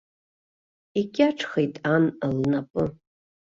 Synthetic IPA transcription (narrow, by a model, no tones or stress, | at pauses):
iɡʲaʈ͡ʂʰχejtʼanalnapʼɨ